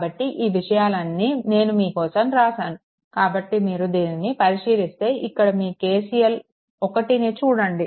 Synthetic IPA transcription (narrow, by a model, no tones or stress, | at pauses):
bɐʈːiʔiːʋiʂɐjaːlɐnːiːne̞ːnumiːkɔːsɐmɾaːsaːnu | kaːbɐʈːimiːɾud̪eːninːipɐɾiʂiːlist̪e̞ːʔikːɐɽɐmiːke̞ːsijɐl | ɔkɐʈineːt͡ʃuːɽɐɳɖi